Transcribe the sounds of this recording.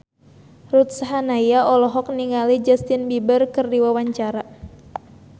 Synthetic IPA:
rut̪̚saɦanaijaʔɔlɔɦɔk̚niŋalid͡ʒast̪ɪnbibərkɨrdiwawaɲt͡ʃaɾa

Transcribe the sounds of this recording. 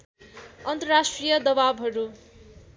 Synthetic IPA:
ʌnt̪ʌrasʈrijʌd̪ʌbabɦʌɾu

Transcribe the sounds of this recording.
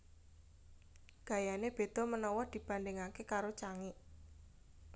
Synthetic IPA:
ɡ̥a̤janeb̥e̤d̪̥ɔ̤mənɔwɔd̪̥i̤b̥a̤nd̪eŋakekaɾot͡ʃaŋɪʔ

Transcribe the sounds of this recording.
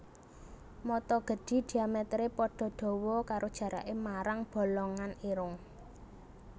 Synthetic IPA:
mɔt̪ɔɡ̥ə̤ɖ̥i̤ɖ̪̥i̤amɛt̪ɾepɔɖ̥ɔ̤ɖ̥ɔ̤wɔkaɾʔod̥ʒ̥ä̤ɾʔa̰ʔemaɾaŋb̥ɔ̤lɔŋaniɾʊŋ

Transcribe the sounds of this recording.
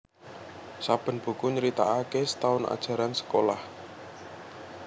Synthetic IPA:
sab̥ə̤nb̥ṳkuɲəɾit̪aːkesə̥t̪aʊna̰d̥ʒ̥a̤ɾansə̥kolah

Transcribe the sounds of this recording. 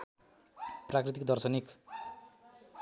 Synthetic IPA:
prakrit̪ikd̪ʌrsʌnik

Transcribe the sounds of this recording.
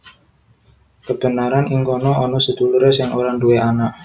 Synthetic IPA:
kəb̥ə̤naɾaniŋkɔnɔʔɔnɔsəd̪̥ṳluɾesɪŋoɾanduweʔanaʔ

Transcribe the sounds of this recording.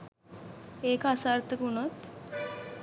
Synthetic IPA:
eːkəasaːrt̪əkunot̪

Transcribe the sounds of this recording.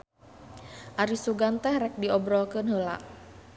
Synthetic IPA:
ʔaɾisuɡant̪ɛhrɛk̚diɔbɾɔkənɦəla̰ʔ

